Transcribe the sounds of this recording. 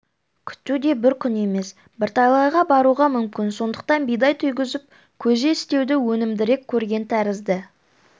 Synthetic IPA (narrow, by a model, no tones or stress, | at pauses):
kʲʰʏ̥t̪ːud̪e̞bɪɾkʲʰʏne̞me̞s | bɪɾt̪ʰɑjlˠɑjʁɑbɑɾuʁɑmʏmkʲɪnso̞nd̪ə̥q̚t̪ɑnbijd̪ɑjt̪ʰʏjɡʲɪzɪp̚ | kʲʰɵze̞ɪst̪e̞wd̪ɪwɵnɪmd̪ɪɾe̞kʲʰːɵɾɡʲe̞nt̪ʰæɾɪzd̪ɪ